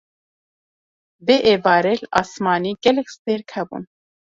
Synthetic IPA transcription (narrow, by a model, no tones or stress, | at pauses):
bɛʔevɑːɾɛlɑsmɑːniɡɛlɛkst̪eɾkʰɛbṵn